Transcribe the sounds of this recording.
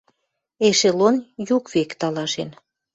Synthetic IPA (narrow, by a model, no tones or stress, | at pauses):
eʃelonjukvekt̪ɑlɑʃen